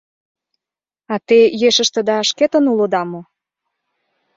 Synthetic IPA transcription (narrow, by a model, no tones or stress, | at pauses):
ɑt̪ejeʃə̆ʃt̪ə̆d̪ɑːʃket̪ə̆nulod̪ɑmo